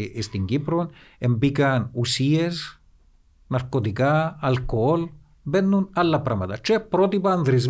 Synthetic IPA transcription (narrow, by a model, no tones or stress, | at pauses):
ist̪iŋɡipɾonempikanusies | naɾkot̪ikaːlkool | benːunalːapɾamat̪at͡ʃepɾot̪ipand̪ɾiz̬